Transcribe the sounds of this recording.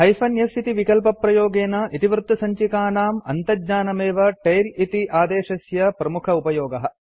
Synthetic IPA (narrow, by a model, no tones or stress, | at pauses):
ɦɐjpʰɐnjɐsit̪iʋikɐlpɐpɾɐjoːɡeːnɐʔit̪iʋɾt̪ːusɐɲt͡ʃikaːnaːmɐnt̪ɐɲaːnɐmeːʋɐʈejlit̪iʔaːd̪eːʃɐsjɐpɾɐmukʰɐupɐjoːɡɐɦɐ